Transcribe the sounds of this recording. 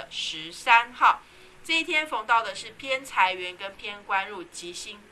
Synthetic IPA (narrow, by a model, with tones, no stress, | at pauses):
ʂɻ̩˧˦sa˦nxɑ˥˨ʊ | ʈ͡ʂɤ˥˧i˥˩t̪ʰjɛ˥nfo˧˩ŋt̪ɑ˥˩ʊd̪ə˩ʂɻ̩˥˩pʰjɛ˥nt͡sʰa˧˦ɪɥɛ˨˦nkə˦npʰjɛ˥nkwa˦nɻu˥˩t͡ɕi˨˥ɕi˥ŋ